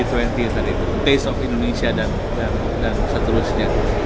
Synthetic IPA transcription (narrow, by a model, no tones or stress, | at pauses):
it̪wɛ̃nt̪isaɾakut̪uŋt̪esɔfĩndonesiadan | dan | dansət̪əɾʊsɲa